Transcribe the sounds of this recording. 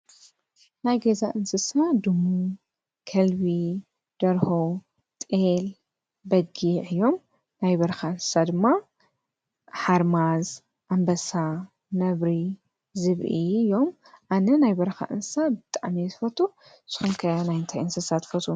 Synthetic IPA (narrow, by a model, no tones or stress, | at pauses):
najɡɐzaʔɨnsɨsad̪ɨmu | kʰɐlbi | d̪̥ɐɾho | t̪ʼel | bɐɡiʕɨjːo̞m | najbɐɾxaɨnsɨ̥sad̪ɨmːa | ħaɾmaz | ʔambɐsa | nɐβɾi | zɨβʔiɨjːo̞m | ʔanɐnajbɐɾɐxa̰ʔɨnsɨ̥sabɨt̪ʼaʕmit̪ɨfɐt̪ʰʼu | z̥ɨ̥xumkʰɐnajɨnt̪ʰajɨnsɨsat̪fɐt̪ʰʼu